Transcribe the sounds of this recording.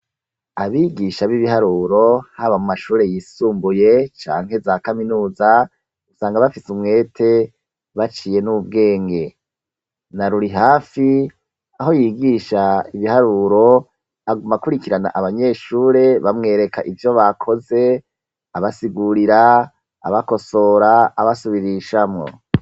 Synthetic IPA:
aβiɡiʃaβiβihaɾuːɾo̞haβamumaʃuːɾe̞jiːsuːmbuje̞t͡ʃa̰ːŋhe̞zakaminuːza | usaːŋɡaβafisumŋe̞ːtʰe̞ | βat͡ʃiːje̞nuβub̚ɡe̞ːŋɡe̞ | naɾuɾiɦaːfi | aɦo̞jiːɡiːʃaiβihaɾuːɾo̞ | aɡumakuɾikiɾana̰ʔaβaɲe̞ːʃuːɾe̞βamŋe̞ːɾe̞kʰaʔivjo̞βakʰo̞ze̞ | aβasiɡuɾiɾa̰ː | βako̞so̞ɾaaβasuβiɾiʃamŋo̞̰

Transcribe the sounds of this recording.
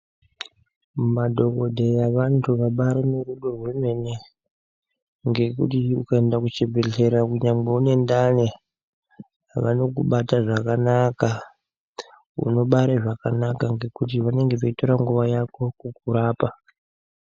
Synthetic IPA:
madʱo̞ko̞dʱejaʋantʰuʋaɓaɾeneruɗo̞rweme̞ne | ŋɡe̞kṵtiukae̞ndakut͡ʃebʱeɮe̞ɾakuɲamɡ͡beune̞ndane | ʋa̰no̞k̬uɓataʐakanaka | ṵno̞ɓaɾeʐakanakaŋɡe̞kut̬iʋane̞ŋɡeʋoito̞ɾaŋɡuʋajako̞kuk̚uɾaːpa

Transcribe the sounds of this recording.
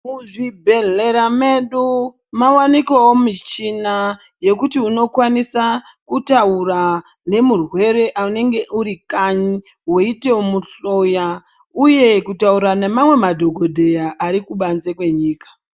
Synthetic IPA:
muʐibʱe̞ɮe̞ɾame̞ɗu | mawanikoomit͡ʃina | je̞kutiuno̞kwanisakutaura | ne̞murwe̞ɾe̞ʔaune̞ŋɡe̞ʔuɾikaɲi | wo̞ite̞omuɬo̞ja | uje̞kutauɾanemamwe̞madʱo̞ɡʱodʱe̞jaʔːɾikuɓanzekwe̞ɲiːkḁ

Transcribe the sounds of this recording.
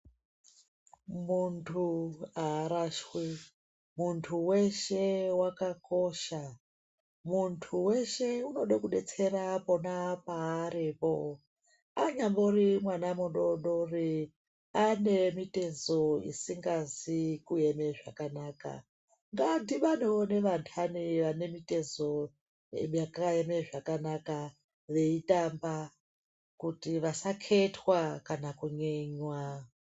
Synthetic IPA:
muntʰuaːɾaʃwi | muntʰuwe̞ʃe̞wakako̞ʃa | muntʰuwe̞ʃe̞uno̞ɗakuɗe̞t͡se̞ɾapo̞napaːɾipo | aɲamborimwanamuɗoɗori | ane̞mitezoḭsiŋɡazikueme̞ʐa̰kanaːka̰ | ŋɡandiʋaneoneʋantʰaniʋane̞mite̞zo̞ | ḛmjakaeme̞ʐakanaka | ʋe̞itamba | kutiʋasakʰe̞tʰwakanakuɲeɲwa

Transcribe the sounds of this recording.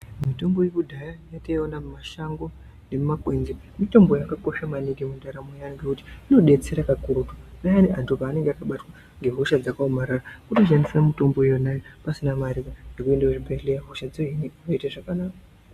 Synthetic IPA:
mito̞mbo̞jekudʱajajataionammaʃaŋɡo̞ | ne̞mmakwe̞nze | mito̞mbo̞jakako̞ʃamaniɡimundaɾamojaŋɡekuti̥ino̞ɗe̞t͡se̞ɾakakuɾutunajaniʔantʰupaːne̞ŋɡeakaɓatwa | ŋɡe̞ɦuʃad͡zakaomaɾarakutoʃanisamito̞mbo̞jonajopasinamaɾikanekue̞ndaʐibʱeɮejaɦuʃad͡zoɦineunoitaʐakanaːka

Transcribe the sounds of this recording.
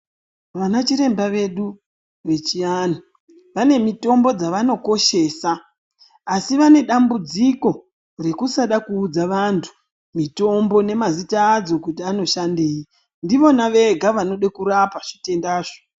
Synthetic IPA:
ʋanat͡ʃiɾe̞mbaʋe̞ɗu | ʋe̞t͡ʃijani | ʋane̞mito̞mbo̞d͡zaʋano̞ko̞ʃe̞ːsaː | siʋane̞ɗambud͡ziko̞ | re̞kusaɗakuːd͡zaʋantʰu̥ | mito̞mbo̞ne̞mazitaːd͡zo̞kutiano̞ʃandeːi | ndiʋo̞naʋe̞ɡʱaʋano̞ɗekuɾapaʐ̥ite̞ndaːʐo

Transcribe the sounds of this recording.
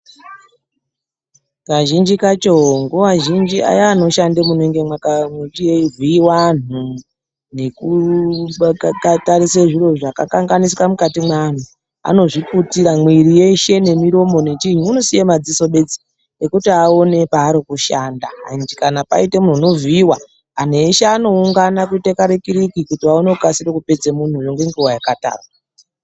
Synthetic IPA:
kaʒind͡ʒikat͡ʃoŋɡuʋaʒind͡ʒia̰jaːno̞ʃandemuneŋɡemakamitijeiviiwan̤u | ne̞kuɓakatariseʐiro̞ʐakakaŋɡaniswamukatimwaːn̤u | a̰no̞ʐiputiɾamwiɾije̞ʃe̞ne̞miɾo̞mo̞net͡ʃiɲuunosijemad͡ziso̞ɓe̞d͡zi̥ | ekutiao̞ne̞paːɾikuʃaːndaa̰nd͡ʒikanapa̰itemun̤unoviiwa | an̤eʃeano̞uŋɡanakuitekaɾekiɾikikutiaonekasiɾekupe̞d͡zemun̤ujo̞ŋɡe̞ŋɡuwajakata̰ːrwa

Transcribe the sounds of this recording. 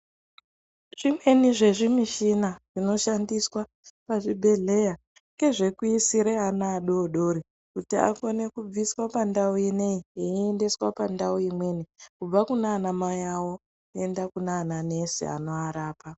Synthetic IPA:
ʐ̥imwe̞niʐe̞ʐimiʃinaʐ̥ino̞ʃandiswa | paʐibʱe̞ɮe̞ja | ŋkɡe̞ʐe̞kuisiɾeanaːɗo̞ɗo̞ɾi | kutia̰kone̞kub͡viswapandauineieiende̞swapandauimwe̞nikub͡vakunaːnamajawo̞ | e̞ndakunaːnane̞sḛa̰no̞aɾaːpa

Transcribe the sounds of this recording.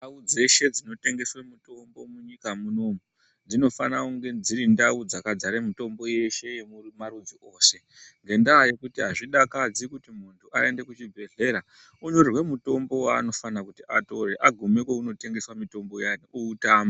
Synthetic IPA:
naud͡ze̞ʃe̞d͡zino̞te̞ŋɡe̞swemuto̞mbo̞muɲikamuno̞ːmu | d͡zino̞fanauŋɡe̞d͡ziɾindaud͡zakad͡zaɾemito̞mbo̞je̞ʃe̞jemumaɾud͡ziʔo̞ːse̞ | ŋɡe̞ndaːje̞kutiɦaʐiɗakad͡zikutimuntʰuʔae̞nde̞kut͡ʃibʱe̞ɮe̞ɾa | uɲorwe̞muto̞mbo̞waːno̞fanakutiʔato̞reʔaɡʱume̞kweuno̞te̞ŋɡe̞swamito̞mbo̞janiʔuːtaːma

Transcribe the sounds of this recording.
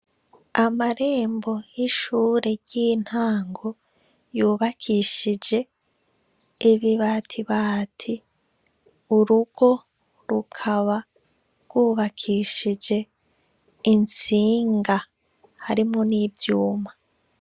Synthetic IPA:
amaɾe̞ːmbo̞jiʃuːɾe̞ɟ̥iːn̥haːŋɡo | juːβakʰiʃid͡ʒe̞ | βiβaːtʰiβaːtʰi | uɾuɡ̥o̞ | ɾukʰaβa | ɾɡ̥wuːβakʰiʃid͡ʒe̞ | int͡siːŋɡa | haɾimoniːbjuːma

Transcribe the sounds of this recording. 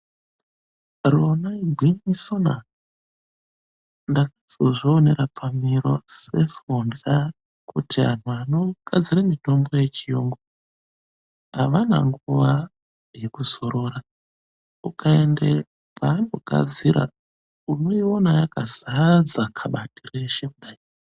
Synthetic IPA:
ronaiɡʱwinisona̰ | ndakazoʐoːne̞ɾapʰamiɾo̞se̞funda | kʰutʰia̰n̤uano̞ɡ̥ʱad͡ziramito̞mbo̞je̞t͡ʃijoːŋɡo | ɦaʋana̰ŋɡuʋa | je̞kuso̞ɾoɾa | ukʰaende | pʰaːno̞̰ɡ̥ʱa̰d͡ziɾa̰ | uno̞io̞najakazad͡zakʰaɓatireʃekuɗai | a

